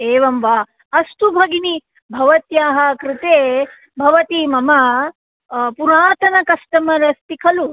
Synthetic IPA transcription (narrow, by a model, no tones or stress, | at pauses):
eːʋɐmʋaː | ɐst̪ubʱɐɡini | bʱɐʋɐt̪jaːɦɐkɾɪt̪eː | bʱɐʋɐt̪imɐmɐ | puɾaːt̪ɐnɐkɐsʈɐmɐɾɐst̪ikʰɐlu